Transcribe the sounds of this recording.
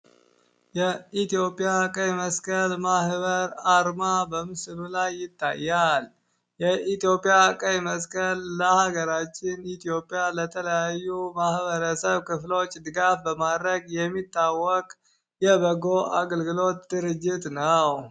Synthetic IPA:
jɛit̪ijo̞pʼijakʼəjməskʰʼəlmahbəɾaɾmabəmɨslulajːɪt̪ːa̰jːal | jɛʔit̪jo̞pʼijakʼəjməskʼəlːəhaɡəɾat͡ʃːɪnit̪ʰjo̞pʼːijalət̪ʰələjajːumahβəɾəsəβkʰɨflo̞t͡ʃʼːd̪ɨɡafbəmad̪ɾəɡjɛmːit̪ʰʼːawːɔkʼ | jɛbəɡo̞ʔaɡəlɡɨlo̞t̪d̪ɨɾɨd͡ʒːɪt̪nəw

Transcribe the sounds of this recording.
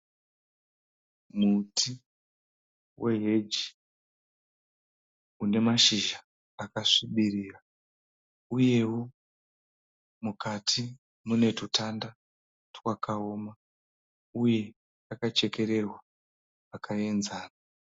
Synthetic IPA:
mutʰi | wʔe̞ɦed͡ʒi | une̞maʃiʒaː | kaʂiɓiriːra | uje̞wo | mukʰatʰi | mune̞tutʰanda | twakʰao̞ːma | uje̞ | akat͡ʃe̞ke̞ɾe̞rwa | akʰae̞nzaːna

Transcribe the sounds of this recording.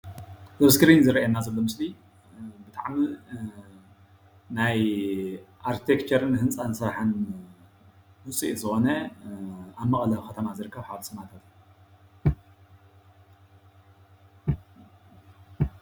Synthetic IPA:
zɐβskʰɨɾinzɨɾɐʔenːazɐlːo̞mɨsli | bɨt̪ʰʼaʕmi | naj | ʔaɾt̪ʰekt͡ʃʰɐɾɨnhɨnt͡sʼansɨɾħɨn | wʊsʼḭʔzɨxo̞nɐ | aβmɐχʼlɐβxɐt̪ʰɐmazɨɾɨkʰːɐβħaβsɨmat̪ʰat̪ː

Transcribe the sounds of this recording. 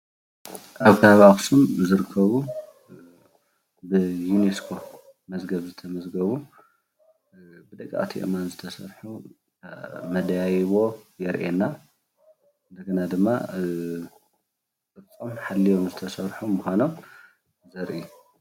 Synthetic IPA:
ʔaβkʰɨaβaxsumzɨɾɨkʰːɐβu | bɨjuneskʰo̞ | mɐzɡɐβzɨt̪ʰɐmɐzɡɐβu | bɨd̪ɐkʼːa̰ʔt̪ʰiʔmanzɨt̪ʰɐsɐɾħu | mɐd̪jajβo̞jɛɾʔena | ɨnd̪ɐɡɐnad̪ɨmːa̰ | kʼɨt͡sʼomħalːijo̞mzɨt̪ʰɐsɐɾħumuxʷano̞m | zɐɾʔiju

